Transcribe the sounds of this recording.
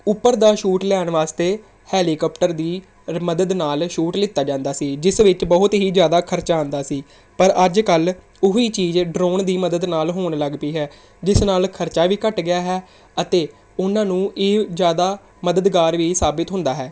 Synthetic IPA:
ʊpːəɾd̪aːʃuːʈlɛːɳʋaːst̪eː | hɛːliːkɔːpʈəɾd̪iː | məd̪əd̪naːlʃuːʈlɪt̪ːaːd͡ʒãːnd̪aːsiːd͡ʒɪsʋɪt͡ʃbəɦʊt̪ɦiːzjaːd̪aːkʰəɾt͡ʃaːə̃nd̪aːsiː | pəɾəd͡ʒkəl | ʊɦiːt͡ʃiːzɖɾoːɳd̪iːməd̪əd̪naːlɦoːɳləɡpiːɦɛː | d͡ʒɪsnaːlkʰəɾt͡ʃaːʋiːkəʈɡɪjaːɦɛː | ət̪eː | ʊnãːnũːʔeːzjaːd̪aː | məd̪əd̪ɡaːɾʋiːsaːbɪt̪ɦʊ̃nd̪aːɦɛː

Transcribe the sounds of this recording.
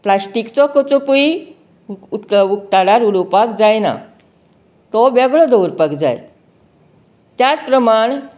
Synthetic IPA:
plasʈikt͡sɔkɔt͡sɔpui | ut̪kəʋuk̚t̪aɽaɾuɽupakd͡zajna̰ | t̪ɔbɛɡɭɔd̪əuɾpakd͡za̰j | t̪jat͡spɾəmaɳ̃

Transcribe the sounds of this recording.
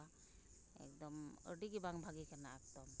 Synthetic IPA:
a | ɛ̰kd̪ɔmə̰ɖiɡibaŋbʱaɡikanaak̚t̪ɔn

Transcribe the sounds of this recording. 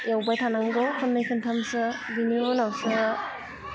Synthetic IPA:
jawbajtʰanaŋdɔwkʰɯnmajkʰɯntʰamsɯbinionawsɯ

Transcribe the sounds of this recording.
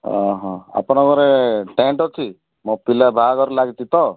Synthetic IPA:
ɦɔ̃ɦɔ̃a̰pɔñɔɡɔɾeʈeɳʈɔt͡ʃʰi | mɔ̃pilabʱaɡɔɾlaɡit̪it̪ɔ

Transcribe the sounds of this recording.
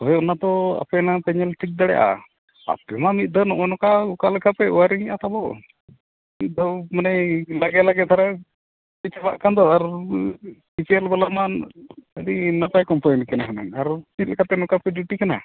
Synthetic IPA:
ɔjɔnat̪ɔa̰pɛnapɛɲɛlʈʰik̚d̪aɽɛ̰jʔa̰ | a̰pɛmamit̪̚d̪ʱɔnɔʔɔnɔkaukalkʰapɛuaɾiɲɛʔat̪abɔw | mit̪̚ˀd̪ʱɔmanɛlaɡɛlaɡɛt̪ʰaɾa | it̪̚t͡ʃɛba̰ʔkand̪ɔaɾ | it͡ʃɛɛlbalamanəd̪inapajkɔmpajnkanakana̰naɾt͡ʃit̪kʰat̪ɛnɔkapɛɖjuʈikana̰

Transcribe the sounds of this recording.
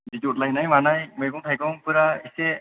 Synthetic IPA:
ditutlajnajmanajmɯjkɔŋtʰajkɔŋpɯɾaise

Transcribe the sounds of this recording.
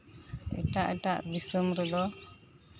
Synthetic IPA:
ɛ̰ʈaʔɛʈaʔbisəmɾud̪ɔ

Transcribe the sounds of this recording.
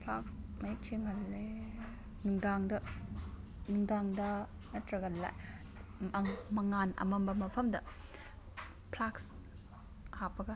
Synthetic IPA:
pʰla̰ksmɐit͡ʃiŋɦɐlːe | nuŋdaŋdɐ | nuŋdaŋdɐ | nɐtɾɐɡɐlːa̰j | mɐŋmɐŋanʔɐ̰mɐmbɐmɐpʰɐmdɐ̰ | pʰlaks | hapɐɡɐ

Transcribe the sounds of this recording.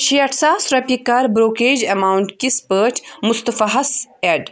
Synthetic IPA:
ʃiɐʈsaːsɾɐpikaɾbɾoːkeːd͡ʒɐmaːwuɳʈkispəːt͡ʃʰmʊst̪ɐfɐɦɐseɖ

